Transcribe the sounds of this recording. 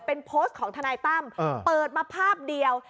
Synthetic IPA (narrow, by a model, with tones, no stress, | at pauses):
pe˧npʰoː˦˥st̪̚kʰɔː˩˦ŋt̪ʰa˧naː˧jt̪a˥˩mː˧pɤː˨˩t̪̚maː˧pʰaː˥˩p̚di˧əw